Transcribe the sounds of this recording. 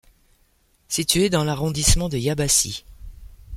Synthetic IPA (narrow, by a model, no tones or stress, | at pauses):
sit̪ɥed̪ɑ̃laʁɔ̃d̪ismɑ̃d̪əjabasḭ